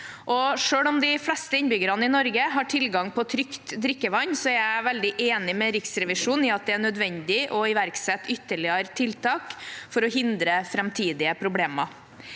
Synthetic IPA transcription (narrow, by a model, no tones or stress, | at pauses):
ʔɔʂøːɽɔmd̪ɪflɛst̪əɪnbʏɡəɾɑnəɪnɔɾɡəɦɑʈʰɪlɡɑŋpʰɔt̪ʰɾʏkt̪d̪ɾɪkːəʋɑɲːsɔæɾæʋɛld̪ɪʔeːnɪmɛɾɪksɾɛʋɪʂuːnɪɑt̪̚d̪ɛænœd̪ʋɛnd̪ɪʔɔɪʋæɾksɛt̪ːʏt̪ːəɭɪəɾt̪ʰɪlt̪ʰɑːkfɔɾɔɦɪnd̪ɾəfɾɛmt̪ʰiːd̪ɪəpʰɾʊbleːmɑ